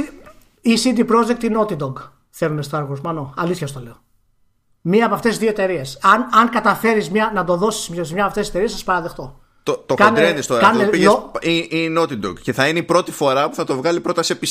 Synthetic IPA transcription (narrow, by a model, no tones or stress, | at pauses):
isid̪ipɾo̞d͡ʒek̚t̪ino̞t̪id̪oɡ | θe̞lunest̪ɐɾɣuzmɐnoɐliθçɐst̪o̞le̞o | miɐːpoɐft̪eizðio̞e̞t̪e̞ɾie̞sɐnɐŋkɐt̪ɐfe̞ɾizmɲɐnɐd̪o̞ðo̞si̥smɐsizmɲɐpɐft̪ese̞t̪eɾiesɐspɐɾɐðe̞xt̪o̞ | t̪ot̪okɐnd̪ɾenist̪oɾɐkɐnepieoiinot̪id̪oɡceθɐineipɾo̞t̪ifo̞ɾɐpuθɐt̪o̞vɣɐlipɾo̞t̪ɐsepi